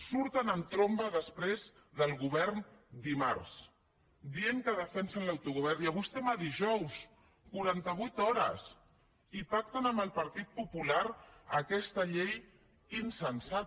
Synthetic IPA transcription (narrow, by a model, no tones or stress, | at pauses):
suɾt̪ənənt̪ɾombəðəspɾez | ðəlˠɣuβɛɾnd̪ima̰ɾs | d̪ieŋkəðəfɛnsənlawt̪uɣuβ̞ɛɾniaβujst̪ɛmaðiʒɔws | kuɾant̪əβujt̪ɔɾə̰s | ipak̚t̪ənəmbəlˠpəɾt̪it̪̚pupulaɾəkɛst̪əʎej | insənsa